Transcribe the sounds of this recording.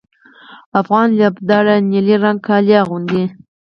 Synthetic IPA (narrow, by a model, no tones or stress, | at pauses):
afɣɑnljabd̪ɑɾaniliɾaŋɡkʰɑljɑɣund̪i